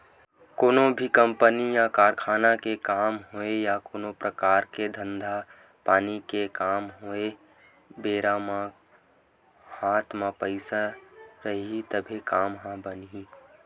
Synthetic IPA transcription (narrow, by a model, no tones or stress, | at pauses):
koːnõbʱikə̃mpənijakaːɾkʰaːnakekaːmɦoejakoːnopɾəkaːɾked̪ʱə̃nd̪ʱa | paːnikekaːmɦoe | beːɾamã | haːt̪ʰmapəɪsaɾəɦit̪əbʱekaːmɦãbənɦi